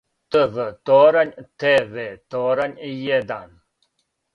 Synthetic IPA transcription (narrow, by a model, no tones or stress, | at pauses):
t̪əvət̪oːɾɐnt̪ʰeːvet̪oːɾɐnijed̪a̰ːn